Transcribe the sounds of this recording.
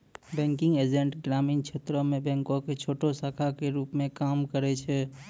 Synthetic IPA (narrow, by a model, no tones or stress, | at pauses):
bɛ̃ːŋkɪ̃ŋɡed͡ʒẽɳʈɡɾaːmiːnkʃʰeːt̪ɾomẽbɛ̃ːŋkõket͡ʃʰoːʈosaːkʰakeɾuːpmẽkaːmkəɾɛt͡ʃʰɛ